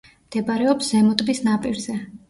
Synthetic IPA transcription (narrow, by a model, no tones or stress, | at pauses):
md̪̥ɛbaɾɛɔpszɛmɔt̪ʼbisnapʼiɾzɛ